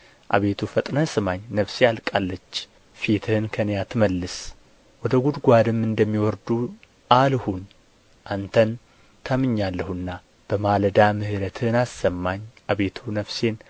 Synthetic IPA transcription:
ʔa̰βe̞t̪ʰufət̪ʼnəsɨmaɲnəβsealkʼalːət͡ʃː | fit̪ʰɨhɨnkʰənjat̪məlːɨs | wɔd̪əɡud̪ɡʷad̪ɨmːɨnd̪əmːiwɔɾd̪u | ʔalhun | ʔant̪ʰən | t̪ʰamɨɲːalːəhɨnːa | b̥əmaləd̪amɨhɨɾət̪ʰɨnasːəmːaɲʔaβe̞t̪ʰunəβse̞n

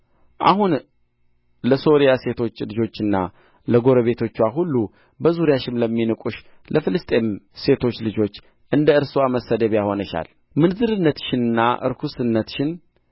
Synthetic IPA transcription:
ʔa̰hun | ləso̞ɾijase̞t̪ʰo̞t͡ʃːlɨd͡ʒo̞t͡ʃːɨnːa̰ | ləɡo̞ɾəβe̞t̪ʰo̞t͡ʃːwaɦulːu | bəzuɾijaʃɪmləmːinɨkʼuʃ | lʔəfɨlɨst̪ʼe̞mse̞t̪ʰo̞t͡ʃːlɨd͡ʒo̞t͡ʃː | ʔɨnd̪əɨɾsɨwaməsəd̪əβjaho̞nəʃa̰l | mɨnzɨɾɨnːət̪ʃɪnɨnːaʔɨ̰ɾkʰusɨnːət̪ʃɪn

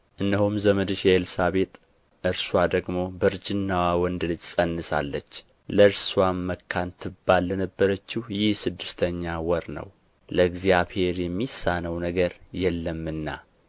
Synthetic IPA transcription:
ʔɨnd̪ihumzəməd̪ɨʃɛelsaβe̞t̪ʼ | ʔɨɾswad̪əɡmo̞bəɾd͡ʒɪnːawawɔnd̪lɨd͡ʒsʼənːɨsa̰lːət͡ʃː | ləɨɾswaməkʰːant̪ʰɨbːalːɛnəbːəɾət͡ʃːɪhjɪhsɨd̪ːɨst̪ʰəɲːawɔɾnə̰w | ləɡzjaβhe̞ɾjɛmːisːanəwnəɡəɾjɛlːəmːɨnːa̰

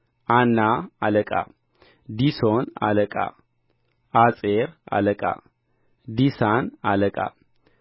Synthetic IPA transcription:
ʔanːaaləkʼa̰ | d̪isona̰ləkʼa̰ | at͡sʼeɾa̰ləkʼa̰ | d̪isanaləkʼa̰

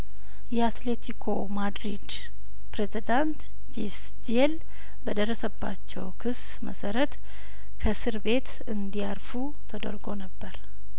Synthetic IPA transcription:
jɛat̪le̞t̪ʰikʰomad̪ɾid̪ | pɾe̞zid̪ant̪ | d͡ʒis | d͡ʒiel | bəd̪ərːəsəbːa̰t͡ʃːɛ̰wkʰɨs | mə̰səɾət̪ | kʰəsɨɾbe̞t̪ | ɨnd̪ijaɾfu | t̪ʰəd̪ə̰ɾɡo̞nəbːəɾ

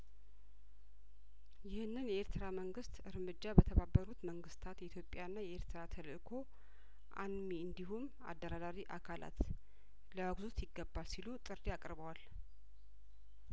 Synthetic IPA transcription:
jɪhɨnːɨnjɛeɾt̪ʰɨɾaməŋɡɨst̪ɨɾmɨd͡ʒːabət̪ʰəβabːəɾut̪məŋɡɨst̪ʰat̪jɛit̪ʰjo̞pʼjanːajɛeɾt̪ʰɾat̪ʰəlɨʔkʰo̞ | ʔa̰nmiɨnd̪iɦum | a̰d̪ːəɾad̪aɾiʔakʰala̰t̪ | ləwaɡzut̪jɪɡːəbːalsilut̪ʼɨɾiakʼɾβəwal

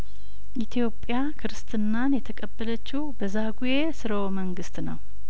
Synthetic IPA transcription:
ʔit̪ʰijo̞pʼːjakʰɨɾɨst̪ʰʼɨnːanjɛt̪ʰəkʼəbːələt͡ʃːɪwbəzaɡuje̞sɨɾəwoməŋɡɨst̪nəw

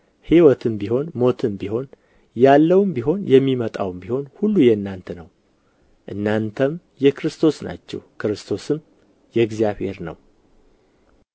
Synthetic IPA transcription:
hiwɔt̪ʰɨmbiho̞nmo̞t̪ʰɨmbiho̞n | jalːəwmbiɦo̞njɛmːimət̪ʼawmbiho̞nhulːujɛɨnːant̪ʰənəw | ʔɨnːant̪ʰəm | jɛkɾɨst̪ʰo̞sna̰t͡ʃːɛ̰wkʰɨɾɨst̪ʰo̞sɨm | jɛɡzijaβhe̞ɾnə̰w

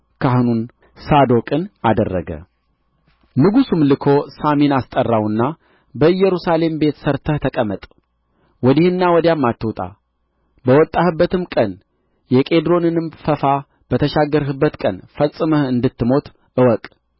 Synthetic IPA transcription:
kʰaɦhnun | sad̪o̞kʼɨnad̪ə̰rːə̰ɡə̰ | nɨɡusumlɨkʰo̞saminast̪ʼərːawɨnːa | bəɨjːɛɾusale̞mbe̞t̪səɾt̪ʰəht̪ʰəkʼəmət̪ʼ | wɔd̪ɪhɨnːawɔd̪jamːat̪ːɨwt̪ʼa̰ | bəwɔt̪ʼːahɨbːət̪ʰɨmkʼən | jɛkʼe̞d̪ɾo̞nɨnɨmfəfa | b̥ət̪ʰəʃaɡːəɾɦɨbːət̪kʼənfəlsʼɨməhɨnd̪ɨt̪ːɨmo̞t̪ʼ | ɨwɔkʼ

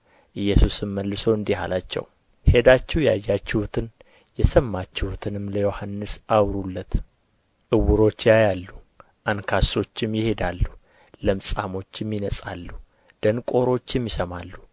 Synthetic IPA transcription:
ʔɨjːɛsusɨmːəlːɨsowɨnd̪iha̰lat͡ʃːɛ̰w | he̞d̪at͡ʃːɛhjajːat͡ʃːɪhut̪ʰɨn | jɛsəmːat͡ʃːɪhut̪ʰɨnɨmləjo̞hanːɨsawɾulːət̪ | ʔɨwʊɾo̞t͡ʃːjajalːu | ʔankʰaso̞t͡ʃːɪmjɪhe̞d̪alːu | ləmsʼamo̞t͡ʃːɛmːinəsʼa̰lːu | d̪̥ənkʼo̞ɾo̞t͡ʃːɛmːɪsəmalːu

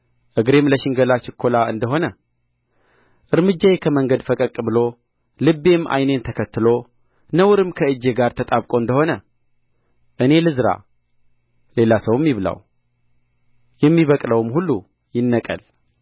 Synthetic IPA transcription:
ʔɨɡɾe̞mləʃɪŋɡəlat͡ʃɪkʰːo̞laɨ̰nd̪əɦo̞nə | ʔɨɾmɨd͡ʒːajekʰəməŋɡəd̪fəkʼəkʼːɨbɨlo̞ | lɨbːe̞mʔa̰jne̞nt̪ʰəkʰət̪ːɨlo̞ | nəwɾɨmkʰəɨd͡ʒːeɡaɾt̪ʰət̪ʼaβkʼo̞ɨnd̪əho̞nə | ʔɨne̞lɨzɾa̰ | le̞lasəwmːiβla̰w | jɛmːiβəkʼləwɨmhulːu | jɪnːəkʼə̰l

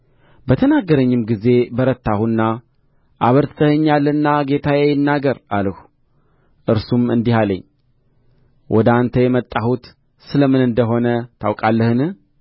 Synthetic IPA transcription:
bət̪ʰənaɡəɾəɲːɪmɡize̞bəɾət̪ːahunːa | ʔaβəɾt̪ʰt̪ʰəhɨɲːalːɨnːaɡe̞t̪ʰajejɪnːaɡəɾalhu̥ | ʔɨɾsumɨnd̪ihaləɲː | wʔɔd̪ant̪ʰəjɛmət̪ʼːahut̪ | sɨləmɨnɨnd̪əɦo̞nət̪ʰawkʼalːəhɨnɨh

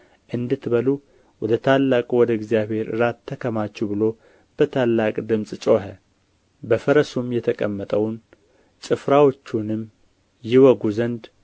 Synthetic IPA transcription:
ʔɨnd̪ɨt̪bəlu | wɔd̪ət̪ʰalːakʼuwɔd̪əɪɡzijaβhe̞ɾɨɾat̪ʰːəkʰəmat͡ʃːɛwbɨlo̞ | b̥ət̪ʰalːakʼd̪ɨmsʼt͡ʃʼoɦə | bəfəɾəsumjɛt̪ʰəkʼəmːət̪ʼəwn | t͡ʃʼɨfɾawot͡ʃːunɨm | jɪwɔɡuzənd̪

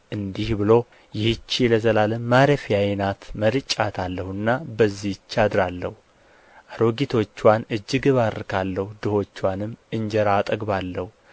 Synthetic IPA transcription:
ʔɨnd̪ihbɨlo̞ | jɪhɨt͡ʃːiləzəlaləmːaɾəfjajnat̪məɾɨt͡ʃʼːat̪ʰalːəhɨnːabəzːit͡ʃːad̪ɾalːə̰hu | ʔaɾo̞ɡit̪ʰo̞t͡ʃːwanɨd͡ʒːɪɡɨβaɾɨkʰalːəhud̪ɨho̞t͡ʃːwanɨmːɨɲd͡ʒəɾaːt̪ʼəɡbalːəhu

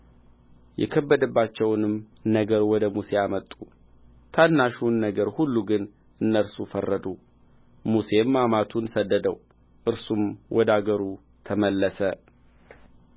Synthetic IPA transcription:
jʔɛ̰kʰəbːəd̪əbːat͡ʃːɛwnɨm | nəɡəɾwɔd̪əmuse̞amət̪ʼːu | t̪ʰanːaʃunːəɡəɾhulːuɡɨn | ʔɨnːəɾsufərːəd̪u | muse̞mːamat̪ʰunsəd̪ːəd̪əw | ʔɨɾsumwʔɔd̪aɡəɾu | t̪ʰəməlːəsə

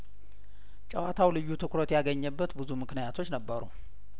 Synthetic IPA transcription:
t͡ʃʼəwat̪ʰawlɨjːut̪ʰɨkɾot̪jaɡəɲːəbːət̪bɨzumɨknijat̪ʰo̞t͡ʃːnəbːəɾṵ

